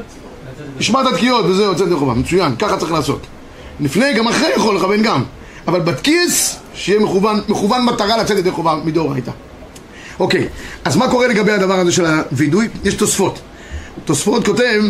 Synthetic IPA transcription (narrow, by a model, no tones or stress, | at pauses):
tiʃmat̪at̪kijo̞t̪̚bezeuat͡set̪de̞χova̰met͡sujankaχatt͡saʁiχlaːso̞̰t̪ | lifneɡamaχʁejaχo̞lːeχave̞nɡam | avalbat̪kis | ʃejɛmeχuvanmeχuvanmat̪aʁalat͡set̪jede̞χovamid̪oʁa̰jt̪a̰ | ʔo̞kḛjazmako̞ʁeleɡabejhad̪avaʁazeʃelavidujjeʃt̪o̞sfo̞t̪ | t̪ːosfo̞tko̞tev